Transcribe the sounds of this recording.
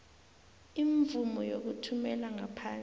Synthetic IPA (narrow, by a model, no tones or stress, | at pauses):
iɱvumɔjok̬utʰumɛlaŋapʰaːn